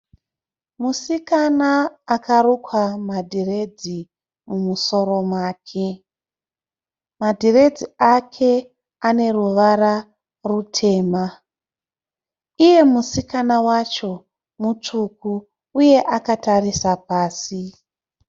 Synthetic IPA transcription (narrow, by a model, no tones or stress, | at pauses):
musikanaːkarukwamadʱire̞d͡zi | mumuso̞ɾo̞mwaːkʰe̞ | madʱire̞d͡ziakʰe̞ | ane̞ruʋara | rutʰe̞ːma | ije̞musikanawat͡ʃo̞ | mut͡ʂuku | uje̞ʔakatarisapaːsi